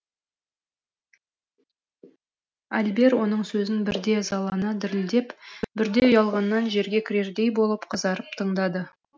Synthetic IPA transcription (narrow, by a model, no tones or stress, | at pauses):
ælbe̞ɾwo̞n̪əɴsɵzɪnbɪɾd̪e̞zɑlˠɑnɑd̪ɪɾɪld̪e̞pbɪɾd̪e̞ʊjɑlˠʁɑnːɑnʒe̞ɾɡʲe̞kʲʰɪɾe̞ɾd̪e̞jbo̞lˠəpqʰəzɑɾəp̚t̪ʰəɴd̪ɑd̪ə